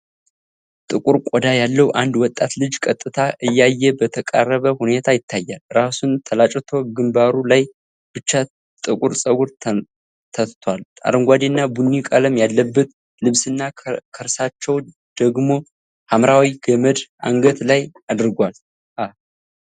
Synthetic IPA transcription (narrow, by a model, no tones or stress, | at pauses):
t̪ʼɨkʼuɾkʼɔd̪ajalːəwuʔand̪wɔt̪ʼːat̪lɨd͡ʒkʼət̪ʼːɨt̪ʰaʔɨjːajːɛbət̪ʰəkʼarːəβəhune̞t̪ʰajɪt̪ʰːajːalɾasunt̪ʰəlat͡ʃʼt̪ʰo̞ɡɨmbaɾulaj | b̥ɨt͡ʃːa | t̪ʼɨkʼuɾsʼəɡuɾʰ | t̪ʰət̪t̪ʰwalʼa̰ɾɨŋɡʷad̪enːabunːikʼələmjalːəbːət̪ | lɨβsɨnːakʰəɾsat͡ʃːɛw | d̪̥əɡmo̞ | hamɾawiɡəməd̪a̰ŋɡət̪lajad̪ɨɾɡʷal | a